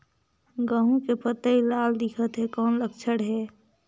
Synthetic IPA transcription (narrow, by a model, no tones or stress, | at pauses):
ɡə̃ɦũkepət̪əilaːld̪ɪkʰət̪ɦɛkɔːnləkt͡ʃʰəɽɦɛː